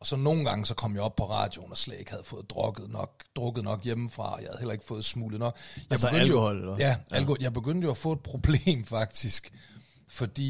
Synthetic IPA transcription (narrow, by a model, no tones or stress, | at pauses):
ɒ̽sɒ̽no̝ːn̩ɡ̥ɑ̈ŋəsɒ̽kʰɒ̽m̰jɑ̈ɒ̽b̥̚pʰɒ̽ʁɑ̰̈ːd̥jo̝nɒslɛ̰d̥e̝ɡ̥hæð̞̩ˠfɔ̽ːð̞̩ˠd̥ʁɔɡ̥ð̩ˠnɒ̽ɡ̥̚d̥ʁɔ̽ɡ̥ð̩ˠnɒ̽ɡ̥jeməfʁɑ̈ɒjɑ̈hæð̩ˠhelɐe̝ɡ̥fɔ̽ːð̩ˠsmṵːlənɒ̽ɡ̥jɑ̈ɪb̥ɡøldəoohɒl̰jæælkohɒljɑ̈ɪb̥e̝ɡ̥øn̰d̥əjo̝æfɔ̽ːe̝d̥̚pʰʁo̝b̥le̝̰ːmfɑ̈ɡ̥̚d̥isɡ̥ | fɒ̽d̥ḭː